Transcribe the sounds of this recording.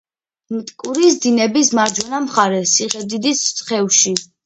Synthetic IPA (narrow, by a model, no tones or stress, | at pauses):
mt̪ʼkʼuɾis̬d̪inɛbismaɾd͡ʒwɛnamχaɾɛsiʁɛd̪id̪ist̪sʼχɛvʃi